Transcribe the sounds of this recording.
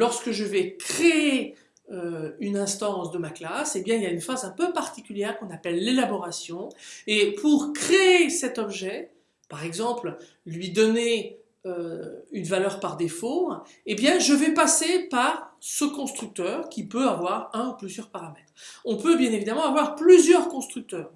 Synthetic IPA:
lɔʁskəʒəvɛkχee | øynɛ̃st̪ɑ̃sd̪əmaklasebjɛ̃iljaynfazɛ̃pøpaʁt̪ikʲyljɛʁkɔ̃napɛlːelabɔʁasjɔ̃epʰuʁkχeesɛt̪ɔbʒɛ | paʁɛɡzɑ̃pl | lɥid̪ɔne | øynvalœʁpaʁd̪efoebjɛ̃ʒəvɛpasepaʁsəkɔ̃st̪χyk̚t̪œːʁkʲipøavwaʁɛ̃uplyzjœʁpaʁamɛt̪χɔ̃pøbjɛ̃nevid̪amɑ̃avwaʁplyzjœʁkɔ̃st̪χyk̚t̪œːʁ

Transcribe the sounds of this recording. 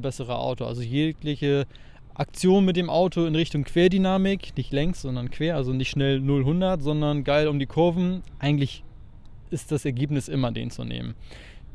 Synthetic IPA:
bɛsəʁ̞əʔa̰ʊtoʔa̰lzojeːklɪçə | ʔak̚t͡sjoːnmɪt̚d̥eːmʔaʊtʰoɪnʁɪçtʊŋkv̥eːɐdynaːmɪknɪçtlɛŋstz̥ɔndɐnkv̥eːɐʔalzonɪçtʃnɛlnʊlɦʊndɐtz̥ɔndɐnɡaɪlʊmdiːkʰʊɐvn̩ʔaɪɡŋ̩tlɪç | ʔɪst̚d̥asɛɐɡeːpnɪsʔɪmɐdḛːnt͡sṵnḛːmə̰n

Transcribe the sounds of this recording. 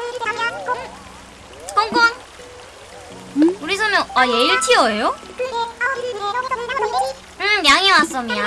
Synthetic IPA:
ʌŋɡʌn | uɾisʰʌmjʌnajeiɭtʰiʌejo | ɯmmjaŋiwas͈ʌmɲia

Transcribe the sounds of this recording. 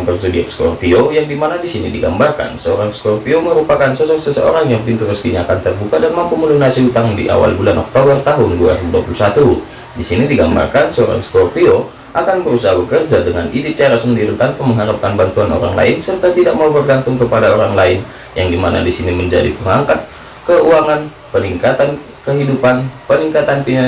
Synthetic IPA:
ŋpərsudiɛ̰tskɔ̰rpiojaŋdimanadisinidiɡa̰mbarka̰nsəoɾaŋskɔrpioməɾupakansɔsɔksəsəo̰ɾaŋjaŋpint̪urəsk̪iɲaːkant̪ərbukadanmampuməlunasiɦut̪aŋdḭʔa̰wa̰lbulanɔk̚t̪obərt̪aɦʊndua̰ɾuduapulusat̪u | disinidiɡamba̰rkansəoɾa̰ŋskɔrpio | ʔakanbəɾusaɦabəkərd͡ʒadəŋanʔidɪt̪̚t͡ʃaɾasəndiɾit̪anpaməŋɦaɾap̚kanbant̪uano̰ɾa̰ŋla̰ɪnsərt̪at̪idak̚maubərɡant̪ʊŋkəpadaoɾaŋlaɪn | jaŋdimana̰disiniməɲd͡ʒa̰dḭpəŋaŋkat̪̚ | kəuaŋan | pəniŋkat̪an | kəɦidupanpəniŋkat̪anp̪ina

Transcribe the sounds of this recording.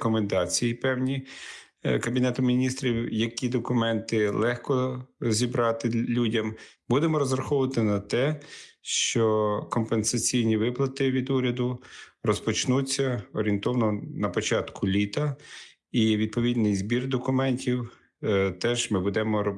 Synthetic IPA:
kɔmend̪ɑt͡sʲijipɛwnʲi | kɐbʲinɛt̪ʊmʲinʲist̪ɾʲiwjɐkʲid̪ɔkʊmɛnt̪ɪlˠɛxkɔzʲibɾɑt̪ɪlʲudʲɐmbud̪emɔɾɔzrɐxɔwʊʋɐt̪ɪnɐt̪ɛʃt͡ʃɔkɔmpensɐt͡sʲijnʲiʋɪplˠɐt̪ɪʋʲid̪uɾʲɐd̪ʊrɔspɔt͡ʃnut͡sʲːɐɔɾʲiint̪ɔwɐnɔnɐpɔt͡ʃɑt̪kʰʊlʲit̪ɐ | iʋʲid̪̚pɔʋʲid̪ʲnɪjzbʲird̪ɔkʊmɛnʲtʲiw | t̪ɛʒmɪbud̪ɛmɔ

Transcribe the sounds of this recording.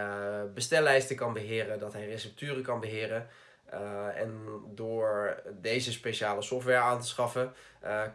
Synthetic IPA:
bəstɛlɛjstəkɑnbəɦɪːrədɑtɦɛjresɛp̚tyːrəkɑnbəɦɪːrə | ɛ̰ndʊːɹdejzəspejʃaːləsɔftʋɛɹaːntəsχɑfə

